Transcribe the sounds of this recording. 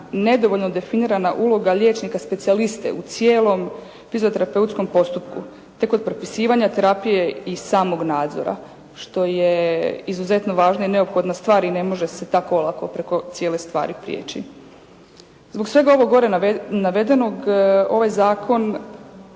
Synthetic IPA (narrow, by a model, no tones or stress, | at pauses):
ne̞d̪o̞ʋo̞ʎno̞d̪e̞finiːɾanaʔulˠo̞ɡaʎe̞ːt͡ʃnikaspe̞t̪sialist̪e̞̰ut̪sjeːlˠo̞m | fizot̪e̞ɾape̞ut̪sko̞mpo̞st̪upku | t̪e̞ko̞d̪̚pɾopi̥siːʋaɲat̪e̞ɾapije̞isaːmo̞ɡnaːd̪zo̞̰ɾa̰ | ʃt̪o̞je̞izuze̞t̪no̞ʋaːʒnoine̞opxo̞d̪nast̪ʋaːɾine̞mo̞ʒe̞se̞t̪akoolˠakopɾe̞ko̞t̪sjeːlest̪ʋa̰ːɾipɾijḛːt͡ɕḭ | zbo̞ksʋe̞ɡao̞ʋo̞ɡo̞ɾenaʋe̞d̪e̞no̞ɡo̞ʋajzaːkʰo̞n